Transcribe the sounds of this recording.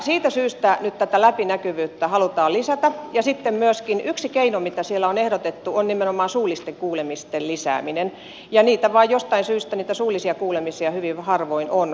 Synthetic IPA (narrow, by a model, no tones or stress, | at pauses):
siːt̪æsyːst̪ænyt̪t̪æt̪ælæpinækyʋyːt̪ːæhɑlut̪ɑːlisæt̪æjɑsit̪ːemmyøskinyksikeinomit̪æsielːˑæonehɾot̪et̪ːuonnimenomɑːnsuːlˑist̪eŋkuːlemist̪ellisæ̰ːminen | jɑniːt̪æʋɑːjjost̪ɑinsyːst̪æniːt̪æsuːlisiɑkuːlemisiɑhyʋiʋhɑrʋoinon